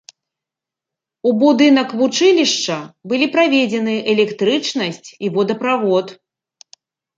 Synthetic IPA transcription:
ubud̪ɨn̪ɐkvut͡ʂɨlʲiʂt͡ʂɐbɨlʲipɾavʲed͡zʲɛnɨʔɛlʲɛkt̪ɾɨt͡ʂnɐsʲt͡sʲivɔd̪ɐpɾavɔt̪

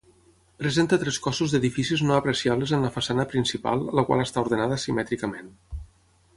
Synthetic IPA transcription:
pɾəzent̪ət̪ɾɛskɔsuzðeðifisiznoəapɾəsiaβ̞ləzənləfasanəpɾinsipa̰lˠːəkwa̰lˠəst̪auɾðənaðəsimɛt̪ɾikəmen

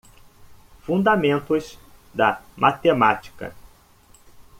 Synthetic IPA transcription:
fũnd̪amẽnt̪ʊs | d̪ɐmʔat̪emat͡ʃi̥kɐ̰

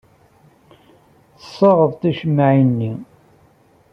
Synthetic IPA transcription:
θəsˤːɑʁəðt̪æʃəmːʕinːi

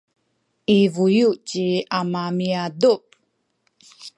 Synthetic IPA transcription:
ʔivujut͡ɕiamamiadup̚

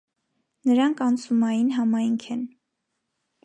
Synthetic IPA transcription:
nəɾɑŋkʰɑnt͡sʰumɑjinɦɑmɑjŋkʰɛn

